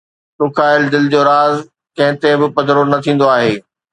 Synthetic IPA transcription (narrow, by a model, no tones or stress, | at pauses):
t̪ʊkʰaːɪld̪ɪld͡ʑoːɾaːz | kɐ̃ɦɪ̃t̪ebɪpɐd̪ɾonɐt̪ʰĩːn̆d̪oaːɦeː